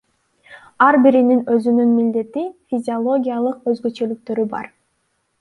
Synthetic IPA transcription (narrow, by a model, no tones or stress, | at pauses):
ɑɾbiɾininøzynynmild̪e̞t̪ifʲizʲiolˠo̞ɡʲijalˠɯqø̞zɡø̞t͡ʃø̞lyk̚t̪ø̞ɾybɑ̰ɾ